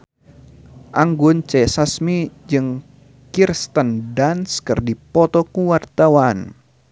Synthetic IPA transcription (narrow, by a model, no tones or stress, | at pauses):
ʔaŋɡunt͡ʃɛsasmid͡ʒɨŋ | kirst̪əndanskɨrdipɔt̪ɔkuwart̪awan